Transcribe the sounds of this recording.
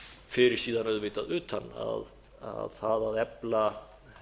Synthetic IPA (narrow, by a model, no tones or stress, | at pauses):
fɪɾɪɾ̥siːðanœðvɪːt̪aðʏːt̪hanːa̰ð | a̰ðθaðaðɛpla